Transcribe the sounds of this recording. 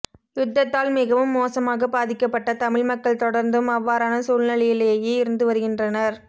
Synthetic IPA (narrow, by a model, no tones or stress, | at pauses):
j̪ʊd̪ːɐt̪ːaːlmɪɣɐʋɯmːoːsɐmaːɣɐbaːðɪkːɐpːɐʈːɐt̪ɐmɪɻmɐkːɐɭt̪ɔɽɐɾnd̪ɯmɐʋːaːɾaːnɐsuːɭnɪɭɐjɪleːjeːɪɾɯnd̪ɯʋɐɾɯɣɪndrɐnɐɾ